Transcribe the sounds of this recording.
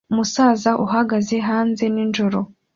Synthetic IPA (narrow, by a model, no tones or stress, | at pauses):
musaːzaʔuɦaɡaze̞ɦaːnze̞ninʒoɾo